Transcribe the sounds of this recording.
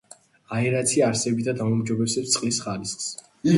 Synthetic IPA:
aɛɾat̪sʰiaɾsɛbit̪ʰad̪amɔmd͡ʒɔbɛsɛpst̪sʼqʼlisχalisχs

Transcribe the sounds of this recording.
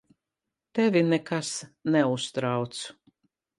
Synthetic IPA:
t̪ɛvʲinɛkasnɛust̪ɾawt̪su̥

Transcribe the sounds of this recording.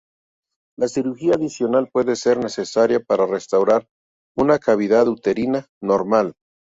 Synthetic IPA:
lasiɾuɾxiaːðisjo̞nalpwe̞ðe̞se̞ɾne̞se̞saɾjapaɾare̞st̪awɾaɾ | unakaβ̞iðaðut̪e̞ɾina | no̞ɾmal

